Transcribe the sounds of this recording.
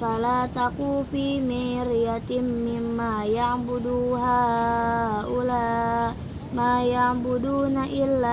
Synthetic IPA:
palat̪akupimiɾiat̪imːimːajambuduɦa | ula | majaŋbudunaʔilːa

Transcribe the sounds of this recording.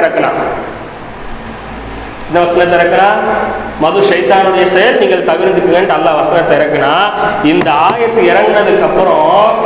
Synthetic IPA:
ɪɾɐkːɐnã̰ː | ɪnːɐʋɐsɐnɐt̪̬ːɪɾɐkːɐnaːmɐðɯʂɐjt̪aːnoɽɐjɐsɐjɐɾniːŋɡɐɭt̪ɐʋɪɾnd̪ɯkːɯŋɡɐɳɖɐlːaːʋɐsɐnɐt̪ːɪɾɐkːɯnaːɪnd̪ɐaːjɐt̪ːɯɪɾɐŋɡɯɾɐðɯkːɐpːɯɾõ

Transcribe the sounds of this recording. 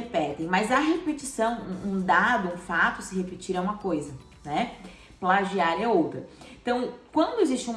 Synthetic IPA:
epɛt̪ẽj̃mɐzɐɦepet͡ʃisɐ̃w̃ũũd̪ad̪ʊũfat̪ʊsɪɦepɪt͡ʃiɾɛũmɐkojzɐ | nɛ | plaʒiaɾɐowt̪ɾɐẽt̪ɐ̃w̃kwɐ̃nd̪ʊezist͡ʃɪũm

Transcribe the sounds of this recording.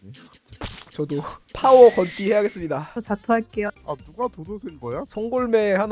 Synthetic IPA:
t͡ɕʌdopʰawʌkʌnt͈ihe̞jaɡe̞s͈ɯmɲidatatʰoɦaɭk͈ejoanuɡatodosʰenɡʌjasʰʌŋɡoɭme̞han

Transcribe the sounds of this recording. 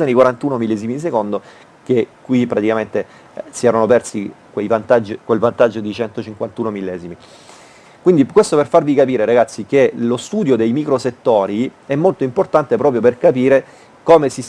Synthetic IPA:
anikwaɾant̪uːnomilːɛːzimid̪is̬ekond̪o | kekːwipɾat̪ikament̪e | siɛːɾanopɛrsikwejvant̪ad͡ʒːikwelvant̪ad͡ʒːod̪it͡ʃɛnt̪ot͡ʃiŋkwant̪uːnomilːɛːzimi | kwind̪ikwest̪operfarvikapiːɾeɾaɡat̪sːikelost̪uːd̪jod̪ejmikɾoset̪ːoːɾiɛmːolt̪oimport̪ant̪epɾɔːp̬ɾjoperkapiːɾe | koːmesis

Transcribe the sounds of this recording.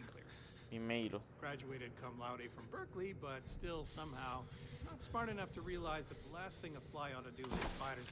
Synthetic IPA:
kʰl̥ɪ̰ɹɨ̰̃nsbimeɪɾlɡ̥ɹæd͡ʒɨeɪɾɨd̚kʰʌ̃mlaʊɾˡifɹʌ̃mbɜ˞klibʌtstɪlˠsʌ̃mhaʊnətsmɑɹɾɨnʌftʰɨɹiəlaɪzðɨt̪̚ðəlæst̪̚θɪ̃ŋtəfʰlaɪə̃ntɨdɨɨfaɪɾə˞

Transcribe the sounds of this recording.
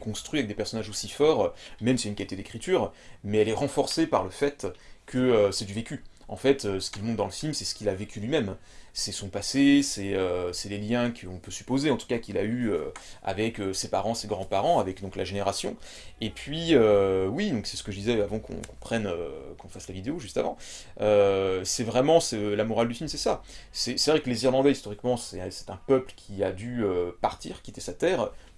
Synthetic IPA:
kɔ̃st̪χɥiavɛk̚d̪epɛʁsɔnaʒosifɔʁmɛmsɛynkalit̪ed̪ekχit̪yːʁ | mɛɛlɛʁɑ̃fɔʁsepaʁləfɛt̪kʰəøsɛd̪yvekʲy | ɑ̰̃fɛt̪øsə̥kʲilmɔ̃t̪̚d̪ɑ̃ləfilmsɛsə̥kʲilavekʰʲylɥimɛm | sɛsɔ̃pasesɛøsɛleljɛ̃kʰəɔ̃pøsy̥pozeɑ̃t̪u̥kakʲila̰yø̰a̰vɛkøsepaʁɑ̃seɡʁɑ̃paʁɑ̃avɛkd̪ɔ̃klaʒeneʁasjɔ̃ | epɥiøwid̪ɔ̃ksɛ̥sə̥kəʒəd̪izɛavɑ̃kʰɔ̰̃kɔ̃pχɛnøkʰɔ̃faslavid̪eoʒyst̪avɑ̃ | øsɛvʁɛmɑ̃sɛlamɔʁald̪yfilmsɛsasɛsɛvʁɛkəleziʁlɑ̃d̪ɛist̪ɔʁikmɑ̃sɛsɛ̥t̪ɛ̃pœpləkʲʰiad̪yøpaʁt̪iʁkʲiet̪ɛsat̪ɛːʁ

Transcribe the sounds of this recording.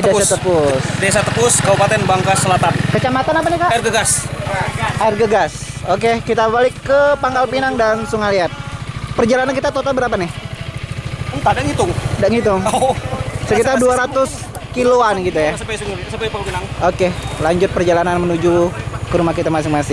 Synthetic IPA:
dədeasat̪əpʊsdesat̪əpʊskaupat̪ɛnbaŋkasəlat̪ankət͡ʃamat̪anap̬anɪkaʔjrɡəɡas | ʔajrɡəɡasokekit̪abalɪkːəpaŋɡalpinaŋdansuŋaliat̪̚pərd͡ʒalanankit̪at̪ot̪albəɾapanɪh | ənt̪adaŋit̪ʊŋdaŋit̪ʊŋ | səkit̪arduaɾat̪ʊskiloanɡit̪ujaspasŋspapapinaŋokelaɲd͡ʒʊt̪̚pərd͡ʒalananmənud͡ʒukəɾumahkit̪amas̬ɪŋmasɪŋ

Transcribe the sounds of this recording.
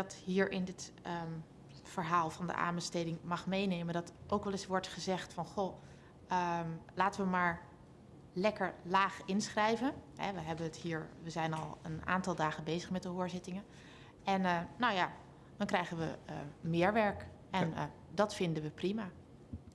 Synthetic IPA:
dɔtɦiːɹʔɪndɪtə | fəɹɦaːlˠfɑndə̰ʔa̰ːnbəstejdɪŋmɑχmejneːməndɑtʔowkʋɛlˠɪsʋɔɹtχəzɛxtfɑnxo | əlaːtəʋəmaːɹ | lɛkəɹlaːxɪnsχrɛjvənɦɛ̰ʋəɦɛbənəthiːɹʋəzɛjnɑlˠə̰na̰ːntɑlˠdaːɣəbejzəχmɛt̚dəɦoːɹzɪtɪŋə | ʔɛnnawja | d̥ɔnkrɛjɣənʋəmɪəɹʋɛɹk | ʔɛn | dɑtfɪndənʋəprima

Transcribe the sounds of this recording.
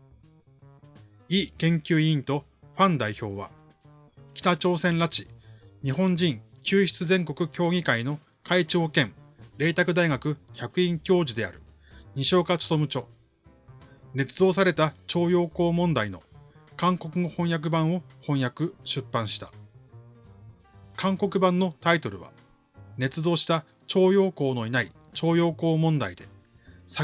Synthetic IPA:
iːkẽ̞ŋkʲɨːĩnt̪o̞ | ɸãnd̪aiço̞ːβa̰ | kʲi̥t̪at͡ɕo̞ːsẽ̞nɾat͡ɕi̥ɲ̟iɦõ̞ɲd͡ʑĩŋkʲɨːçʲi̥t͡sɨzẽ̞ŋko̞kɯ̟kʲo̞ːɡʲikaino̞ | kait͡ɕiokẽ̞ɴɾe̞ːt̪akɯ̟d̪aiɡakɯ̟çʲakɯ̟ĩŋkʲo̞ːd͡ʑid̪e̞a̰ɾɯ̟ | ɲ̟iɕo̞ːkat͡sɨ̥t̪omɯ̟t͡ɕo̞ː | ne̞t͡sɨd̪o̞ːs̬aɾe̞t̪at͡ɕo̞ːjo̞ːko̞ːmõ̞nd̪aino̞̰kãŋko̞kɯ̟ohõ̞ɰ̃jak̬ɯ̟bãɰ̃o̞hõ̞ɰ̃jakɯ̟ɕɨpːãɰ̃ɕi̥t̪ḁ | kʰãŋko̞kɯ̟bãnːo̞t̪ait̪o̞ɾɯ̟̰βa̰ | ne̞t͡sɨd̪o̞ːɕi̥t̪a | t͡ɕo̞ːjo̞ːko̞ːno̞inai | t͡ɕo̞ːjo̞ːko̞ːmõ̞nd̪aid̪e̞̰ | sa

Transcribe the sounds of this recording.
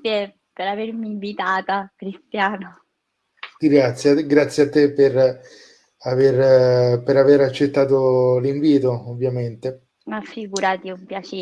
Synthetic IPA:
e | peɾavermiːɱvit̪aːt̪akɾist̪jaːno | ɡɾat̪sːjɡɾat̪sːjat̪ːeper | averpeɾaveɾat͡ʃːet̪ːaːt̪oliɱviːt̪oovːjament̪e | afiɡuɾat̪iumpjat͡ʃeː

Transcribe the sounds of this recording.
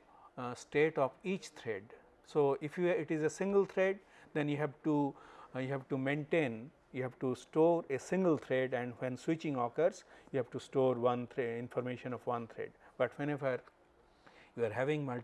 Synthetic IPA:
sʈeːʈɔːfiːt͡ʃt̪ʰɾeɖ | soːɪfjuɪʈɪzesɪ̃ŋɡəlt̪ʰɾeɖ̚ | d̪ɛ̃njuɦɛʋʈujuɦɛʋʈumẽɳʈẽːn | juɦɛʋʈusʈoːɾesɪ̃ŋɡəlt̪ʰɾeɖɛ̃ɳɖwɛ̃nswɪt͡ʃɪ̃ŋɔːkəɾsjuhɛʋʈusʈoːɾʋʌ̃nt̪ʰɾeɪ̃nfɔɾmeːʃə̃nɔfʋʌ̃nt̪ʰɾḛɖbʌʈʋɛ̃neʋəɾ | juaɾɦæʋɪ̃ŋmʌl

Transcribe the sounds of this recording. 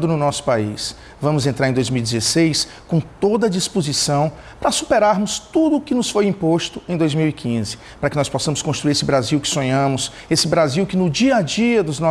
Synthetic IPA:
d̪ʊnʊnɔsʊ̥paḭs | vɐ̃mʊzẽnt̪ɾaɾẽd̪ojzmiwd͡ʒɪzesejs | kõt̪od̪ɐd͡ʒispozisɐ̃w̃ | pɾɐsupɛɾaɾmʊst̪ud̪ʊːkɪnʊsfojĩpost̪ʊẽj̃d̪ojzmiwikʰĩzɪ | pɾɐkɪnɔspɔsɐ̃mʊskõst̪ɾuiɾesɪbɾaziwkɪ̥sõɲɐ̃mʊs | esɪbɾaziwkɪnʊd͡ʒiɐd͡ʒiɐd̪ʊznɔ

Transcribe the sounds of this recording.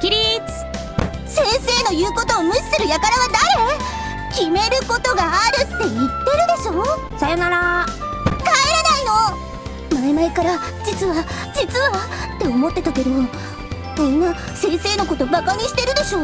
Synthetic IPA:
kʲiɾʲit͡sɨ̥ | sẽ̞ɰse̞ːno̞jɯ̟ːko̞t̪o̞ːmɯ̟ɕi̥sɨɾɯ̟jakaɾaβanaɾe̞ | kʲime̞ɾɯ̟ko̞t̪o̞ɡaːɾɯ̟t̪ːe̞it̪ːe̞ɾɯ̟d̪e̞ɕo̞ː | sajo̞naɾa | kaeɾanaino̞ | maemaekaɾa | d͡ʑit͡sɨβa | d͡ʑit͡sɨβaat̪ːe̞o̞mo̞t̪ːe̞t̪ak̪eɾɯo | kõ̞nːa | sẽ̞ːɰ̃se̞ːno̞ko̞t̪o̞bakaɲ̟iɕi̥t̪eɾɯ̟d̪e̞ɕo̞ː

